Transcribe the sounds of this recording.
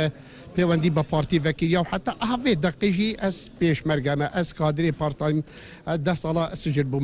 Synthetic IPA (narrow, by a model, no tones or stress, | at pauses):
pʰeːwɛnd̪iːbɨpʰɑːɾt̪ivɛkiɾjɑːwħat̪ːɑːʔɐɦveːd̪ɛqːeʒiːʔɛzpeːʃmɛɾɡɛmɛʔɛzkɑːd̪ɨɾeːpʰɑːɾt̪ɑːjm | d̪ɛhsɑːlɑːsɨd͡ʒɨɾbuːm